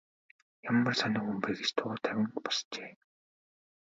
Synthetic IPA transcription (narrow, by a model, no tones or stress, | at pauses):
jamːə̆rsanɪ̆ːxumpeːɡet͡ɕt̪ʰʊːt̪ʰæwʲɪ̆ŋpɔ̥st͡ɕeː